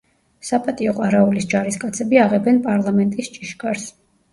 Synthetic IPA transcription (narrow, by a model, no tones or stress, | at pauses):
sapʼat̪ʼiɔqʼwaɾaulisd͡ʒaɾiskʼat̪sʰɛbiaʁɛbɛnpʼaɾlˠamɛnt̪ʼist͡ʃʼiʃɡʼaɾs